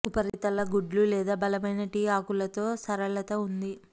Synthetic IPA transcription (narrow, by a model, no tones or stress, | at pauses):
upɐɾit̪ɐlɐɡuɖlulɛːd̪aːbɐlɐmɐjnɐʈiːaːkulɐt̪o̞ːsɐɾɐɭɐt̪ɐund̪i